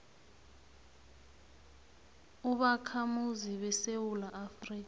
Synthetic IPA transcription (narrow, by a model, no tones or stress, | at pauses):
uɓakʰamuziɓɛsewulaːfriːka